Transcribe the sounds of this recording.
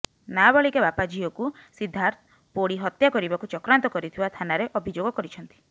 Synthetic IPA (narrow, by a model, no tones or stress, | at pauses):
nabɔɭikebapad͡ʒiɔkusid̪ʱːaɾt̪ | poɽiɦɔt̪jakɔɾibakut͡ʃɔkɾant̪ɔkɔɾit̪ʰibat̪ʰanaɾeʔɔbʱid͡ʒoɡɔkɔɾit͡ʃʰɔnt̪i̥